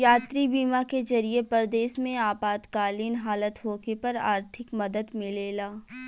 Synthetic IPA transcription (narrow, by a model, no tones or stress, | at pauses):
jaːt̪ɾibiːmakezɐɾiepəɾd̪eːʃmẽaːpaːd̪kaːliːnɦaːlət̪ɦoːkepɐɾa̰ːɾt̪ʰɪkmɐd̪əd̪mɪleːlaː